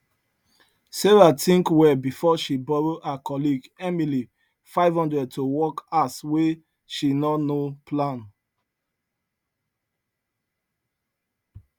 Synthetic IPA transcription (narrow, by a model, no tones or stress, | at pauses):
seɹatĩŋkwɛbifɔʃibɔɹoʔakɔliɡɛmili | faɪvhɔ̃ndɹɛd̚towɔkaswe | ʃinɔnopʰlãn